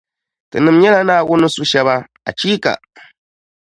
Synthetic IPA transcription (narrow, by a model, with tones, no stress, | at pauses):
tɨ̰˨nɨ˨m˦ɲɛ˦la˦naː˦˨wʊ˦nʊ˦su˦ʃɛ˦βa˦ | a̰˨t͡ʃiː˦ka̰˨